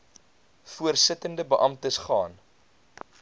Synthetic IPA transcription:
fuərsətəndəbəʔɐmtəsχɑ̰ːn

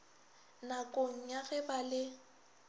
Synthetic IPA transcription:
nakʼoŋ̩ɲaɣɛbalɪ

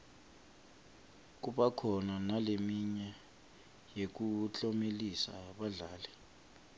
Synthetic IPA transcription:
k̬uɓakʰɔnanalemiɲɛ | jek̬ut͡ɬʼɔmelisa̰ɓaɮaːlɛ

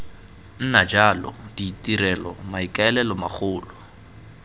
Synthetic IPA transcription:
n̩nad͡ʒalɔ̰d̥itiɾɛlɔmaikaɛlɛlɔmaχʰʊːlɔ

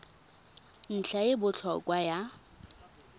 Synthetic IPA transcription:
n̩ɬʰaɪbʊt͡ɬʰɔkʼwaja

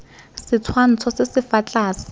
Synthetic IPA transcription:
sɪt͡sʰwan̩t͡sʰɔsɪsɪfat͡ɬʼaːsɪ̥

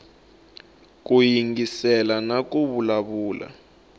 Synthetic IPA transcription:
k̬ujiŋɡisɛlanak̬uβulaβuːla̰

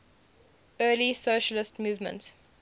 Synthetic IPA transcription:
ɜːlisoːʃəlɪstmuːvmə̰̃nts

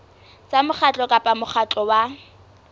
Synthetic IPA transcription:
t͡sʼamʊχʰat͡ɬʼɔkʼapʼamʊχʰat͡ɬʼɔwa

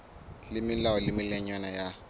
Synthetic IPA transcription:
lɪmɪlaɔlɪmɪlɛɲwanaja

